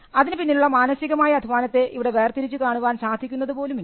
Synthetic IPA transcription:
ɐðinɨpinːiluɭːɐmaːnɐsiɣɐmaːjɐɐd̪ʱiʋaːnɐt̪ːe̞iʋiɽe̞ʋe̞ːrt̪iɾit͡ɕːukaːɳuʋaːnsaːd̪ʱikʲːunːɐðɨpo̞ːlumi

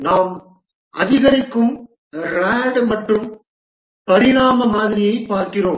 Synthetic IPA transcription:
naːm | ɐ̰ðɪɣɐɾɪkːɯm | ɾaːɽmɐʈrɯm | pɐɾɪɾaːmɐmaːðɪɾɪjɐɪpːaːɾkɪroːm

